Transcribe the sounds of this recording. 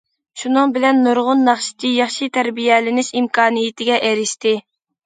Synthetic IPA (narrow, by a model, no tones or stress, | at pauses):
ʃunɨŋbɪlɛnːoɾʁʊnːɑχʃɪ̥t͡ʃ̪ʰijɑχʃit̪ʰæɾbijɛlɪnɪʃimkʰɑːnijit̪ʰɪɡʲɛʔeɾɪʃt̪ɪ